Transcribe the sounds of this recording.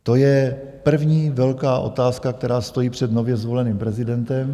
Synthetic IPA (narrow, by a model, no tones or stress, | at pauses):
t̪o̞jɛpr̩vɲiːvɛlkaːʔo̞̰t̪aːskak̚t̪ɛɾaːst̪o̞jiːpr̝̥ɛd̪no̞vjɛzvo̞lɛniːmpɾɛzɪdɛnt̪ɛm